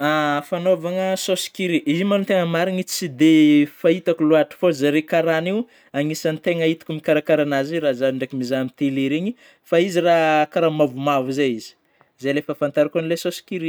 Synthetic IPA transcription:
afanovaŋəsosi̥kiɾiʔizimanunt̪eŋəmaɾinit͡sid̪efait̪akuluaʈ͡ʂi̥fozaɾekaɾaniw | aŋisanit̪eŋəit̪i̥kumikaɾakaɾanaziɾazaɳɖ͡ʐekimizamit̪iliɾeɲi | faizirakaɾamavumavuzejizi̥ | zejlefəfant̪aɾikonlesosi̥kiɾi

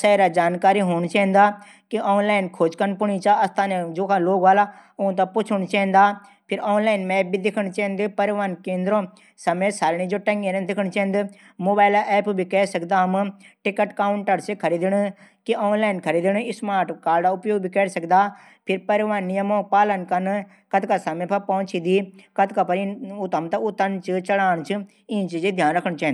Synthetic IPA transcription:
saːiɾad͡ʒaːnkaːɾiɦoːɳ̃t͡ʃɐ̃ːnd̪aː | kiʔɔːnlaːɪnkʰoːd͡ʒkənpʊɳ̃it͡ʃaɐst̪ʰaːnẽd͡ʒoːkʰãloːɡʋaːlaʊɦt̪̬ãpʊt͡ʃʰʊɽ̃t͡ʃɛ̃ːn̆d̪aːpʰɪɾɔːnlaːɪnmɛːp̚bʱid̪ɪkʰəɽ̃t͡ʃɛ̃ːnd̪ɪpɐɾʋaːnkẽːnd̪ɾõː | sɐmeːsaːlɽ̃id͡ʒoːʈɐ̃ŋɡeɾẽd̪ɪkʰəɽ̃t͡ʃɛ̃ːnd̪ɪ | moːbaːɪlaʔɛːpbʱikɛːsɐkd̪aɦmʈɪkəʈkaːʊɳʈəɾsekʰɐɾiːd̪ɪɽ̃kioːnlaːɪnkʰɐɾiːd̪ɪɽ̃ɪsmaːɾʈkaːɾɖaʊpjoːɡ̚bʱikɛːɽsɐkd̪aː | pʰɪɾpɐɾʋaːnːijəmõːpaːlənkɐn | kɐt̪kasɐmepʰɐpɐʊ̃t͡ʃid̪iːkɐt̪kapɐɾiut̪ɐmt̪ɐʊt̪ɐnt͡ʃʰɨt͡ʃɐɽaːñt͡ʃʰɨ | ĩːnt͡ʃid͡ʒed̪ʱjaːnɾɐkʰəɽ̃t͡ʃɛ̃ːnd̪

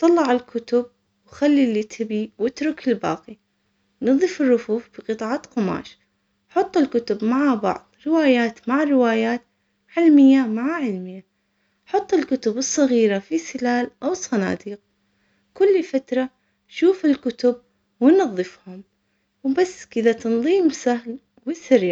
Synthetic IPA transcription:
t̪ˤɑlːɑʕɪlkʰʊt̪ʊb̚ | wxalːilɪt̪ʰɪbiwɪt̪ɾʊkɪlbɑ̰ːqi | nɨðˤːɨfɪrːʊfuːfb̥ɪqɨt̪ˤɑːʕat̪qʊma̰ːʃ | ħɑt̪ˤːɪlkʊt̪ʊbmaʕabɑ̰ʕðˤɾɪwaːjaːt̪maʕrɪwaːjaːt̪ | ʕɪlmɪjːamaʕaʕɪlmɪjːa | ħɑt̪ˤːɨlkʊt̪ʊbɨsˤːɑɣiːɾafisɪlaːlʔawɨsˤːɑna̰ːd̪iːq̚ | kʊlːfat̪ɾˤɑ | ʃuːfɪlkʊt̪ʊb̚ | wɪnɑðˤːɨfhʊm | wbasːkɪðat̪ɑnðˤiːmsaɦl | wɪsɪɾjaʕ

